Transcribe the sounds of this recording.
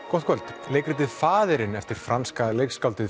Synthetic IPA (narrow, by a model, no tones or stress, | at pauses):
kɔht̪kʰvœlt̪leːjkɾɪt̪ɪðfaːðɪɾɪnɛft̪ɪɾ̥fɾanskalejkskawlt̪ɪ